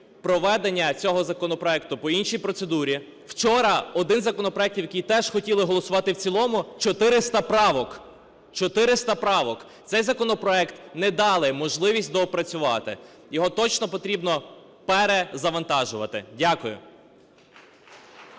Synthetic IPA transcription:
pɾɔʋɛd̪enʲːɐt͡sʲɔɦɔzɐkɔnɔpɾɔɛkt̪ʊpɔinʃijpɾɔt̪sed̪uɾʲi | w̥t͡ʃɔɾɐɔd̪ɪnzɐkɔnɔpɾɔɛktʲiwjɐkʲijt̪ɛʒ̥xɔtʲilˠɪɦɔlˠɔsʊʋɑt̪ɪwt͡sʲilˠɔmʊt͡ʃɔt̪ɪɾɪst̪ɐpɾɑʋɔk | t͡ʃɔt̪ɪɾɪst̪ɐpɾɑʋɔk̪sɛjzɐkɔnɔpɾɔɛkt̪nɛd̪ɑlˠɪmɔʒlˠɪʋʲisʲtʲd̪ɔpɾɐt͡sʲʊʋɑ̰t̪ɪ̰ | jɔɦɔt̪ɔt͡ʃnɔpɔt̪ɾʲibnɔ | pɛɾezɐʋɐnt̪ɑʒʊʋɐt̪ɪdʲakʊjʊ̰

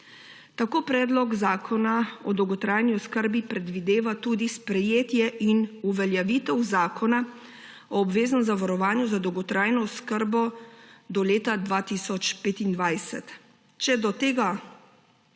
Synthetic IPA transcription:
t̪akoːpɾɛːd̪lɔɡzaːkʰɔnaɔd̪ɔwɡɔt̪ɾaːjniɔskəɾbipɾɛd̪ʋid̪eːʋat̪uːd̪ispɾɛjeːt̪jɛʔinuʋɛljaʋiːt̪ɛwzaːkʰɔna | ɔːbʋeːznɔmzaʋaɾɔʋaːnjuzad̪ɔwɡɔt̪ɾaːjnɔɔskəɾbɔd̪ɔleːt̪ad̪ʋaːt̪isɔt͡ʃpeːt̪ind̪ʋajsɛ̰t̪ | t͡ʃɛd̪ɔt̪eːɡa

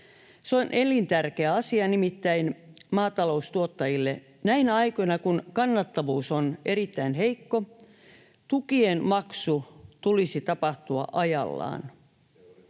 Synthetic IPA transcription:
seonʔelint̪ærkeæɑsiɑnimit̪ːæinmɑːt̪ɑlo̞ust̪uot̪ːɑjilːe | næinæɑikojnɑkunkɑnːɑt̪ːɑʋuːsone̞ɾit̪ːæinɦeikːo | t̪ukienmɑksut̪ulisit̪ɑpɑht̪uɑ̰ʔɑjɑ̰lːɑ̰ːn

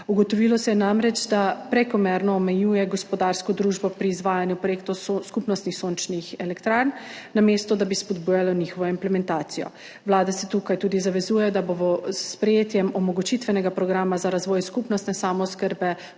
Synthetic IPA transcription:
uɡɔt̪ɔʋilɔsɛjɛnamɾɛd͡ʒd̪apɾɛkɔmɛɾnɔːmɛjuːjɛɡɔspɔd̪aɾskɔd̪ɾuːʒbɔpɾiːzʋaːjanjupɾojekt̪oskupnɔst̪nixsont͡ʃnixɛlɛkt̪ɾaɾnːamest̪ɔd̪abispɔd̪buːjalɔnixɔʋɔimplɛmɛnt̪aːt̪sijɔ̰ | ʋlaːd̪ɛsɛt̪ukajt̪uːd̪izaʋɛzujɛjɔd̪aboʋɔsːpɾɛjeːt̪jɛmɔmɔɡut͡ʃit̪ʋɛnɛɡapɾɔɡɾaːmazaɾazʋɔːjskupnɔst̪nɛsaːmɔskəɾbɛ

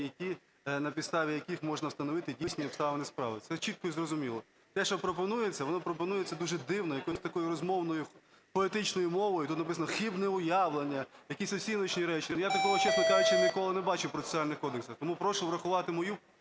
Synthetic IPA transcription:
jɐkʲi | nɐpʲid̪st̪ɑʋʲijɐkixmɔʒnɐwst̪ɐnɔʋɪt̪ɪdʲisʲnʲiɔpst̪ɑʋɐnʲɪspɾɑ̰ʋɪt̪sɛt͡ʃit̪̚kɔizrɔzʊmʲilˠɔ | t̪ɛʃɔpɾɔpɔnujet͡sʲːɐʋɔnɔpɾɔpɔnujet͡sʲːɐd̪uʒɛd̪ɪwnɔjɐkɔsʲt̪ɐkɔjʊɾɔzmɔwnɔjʊ | pɔit̪ɪt͡ʃnɔjʊmɔʋɔjʊt̪ut̪nɐpɪsɐnɔxibnɛʊjaʋlˠenʲːɐjɐkʲisʲɔsʲinɔt͡ʃnʲiɾɛt͡ʃinjat̪ɐkɔɦɔt͡ʃɛsʊt̪ʲaɪt͡ʃɛnʲikɔlˠɪnebɑt͡ʃʊpɾɔe̥sʲnɑlʲnɪxkɔd̪eksɐt̪ɔmupɾɔʃʊʋɾɐxʊʋɑt̪ɪmɔju

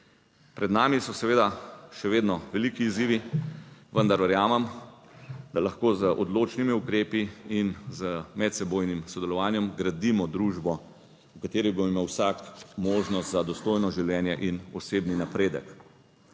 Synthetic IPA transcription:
pɾɛd̪naːmisɔsɛʋeːd̪aʃɛʋeːd̪nɔʋɛlikiːziːʋi | ʋənd̪aɾʋɛɾjaːmɛm | d̪alaxkoːzəʔɔd̪loːt͡ʃnimiukɾeːpiinzəmɛt̪sɛboːjnimsɔd̪ɛlɔʋaːnjɛmɡɾad̪imɔd̪ɾuːʒbɔ | ukat̪eːɾibomimewsakmoːʒnɔst̪zad̪ɔst̪oːjnɔʒiwljɛːnjɛʔinɔseːbninapɾeːd̪ək

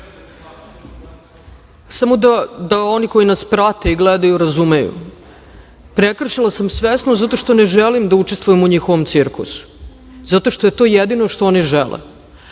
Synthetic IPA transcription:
samo̞d̪ad̪ao̞niko̞jinaspɾat̪eiɡled̪ajuɾazumejṵ | pɾekr̩ʃilˠasamsʋesnozat̪o̞ʃt̪o̞neʒelimd̪aut͡ʃest̪vujemuɲixoʋo̞mt̪siɾkṵsu̥ | zat̪o̞ʃt̪o̞je̞t̪o̞ːjed̪ino̞ʂt̪o̞o̞niʒelḛ

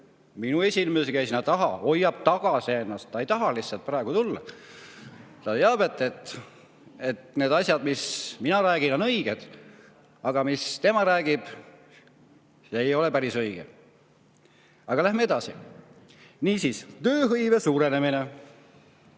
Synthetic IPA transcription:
minue̞sʲinmeseɡ̥æjsinɑt̪ɑɦɑo̞jːɑb̥t̪ɑɡ̥ɑsienːɑst̪ːɑe̞jt̪ɑɦɑlihsːɑlt̪̚pɾɑeɡ̥ut̪ulːɑ | t̪ɑt̪eɑbet̪ːˑet̪ˑ | e̞t̪ne̞ːd̪̥ɑsʲjɑd̪misminɑɾæːɡ̥ino̞nɤ̞iɡ̥ed̪̥ | ɑɡ̥ɑmist̪e̞mɑɾæːɡ̥ib̥ | e̞jo̞lepæɾisɤjɡ̥e | ɑɡ̥ɑlæhmee̞d̪̥ɑsi | niːsiːst̪ø̞ːɦɤjve̞suːɾe̞ne̞mine

